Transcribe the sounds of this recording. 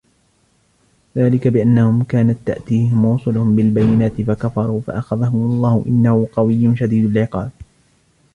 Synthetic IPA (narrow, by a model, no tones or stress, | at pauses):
ðaːlɪkabɪʔanːahʊmkaːnat̪ːa̰ʔt̪iːhɪmwuːsˤʊlʊhʊmbɪlbajːɪnaːt̪ɪfakafɑɾˤuːfa̰ʔaxaðaɦʊmɑlˤːɑːhʊʔɪnːahʊqɑwɪjːʊnʃad̪iːd̪alʕɪqɑːb̚